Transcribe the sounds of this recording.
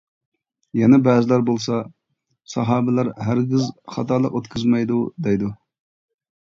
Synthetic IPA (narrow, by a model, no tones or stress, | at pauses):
jɛnɛbɛːzɪlæɾbolˠsɑ | sɑɦɑːbɪlæɾɦæɾɡʲɪzχɑ̰t̪ʰɑɾlˠə̰qot̪kʲʰzmɛjd̪ud̪ɛjd̪u